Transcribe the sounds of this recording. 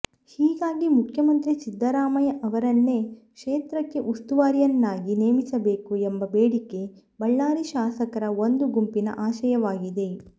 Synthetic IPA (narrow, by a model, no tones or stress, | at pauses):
hiːɡaːɡimukʰjɐmɐnt̪ɾisid̪ːɐɾaːmɐjɐʔɐʋɐɾɐnːe̞kʂeːt̪ɾɐkːe̞ʔust̪uʋaːɾjɐnːaːɡineːmisɐbeːkuembɐbeːɽikːe̞ | bɐɭːaːɾiʃaːsɐkɐɾɐo̞nd̪uɡumpinɐ̰ʔaːʃɐjɐʋaːɡid̪e̞